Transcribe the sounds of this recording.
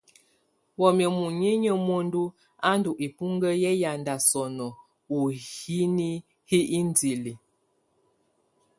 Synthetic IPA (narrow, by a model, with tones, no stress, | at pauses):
wɔ˨mjə˨mu˨ɲi˦ɲə˦mo˦n˦du˦ | a˦ndu˨ʔi˨pu˦ŋɡə˦jɛ˦ja˨nda˨sɔ˨nɔ˨ | u˨hi˦ni˦ | hi˦i˦n˦di˨li˨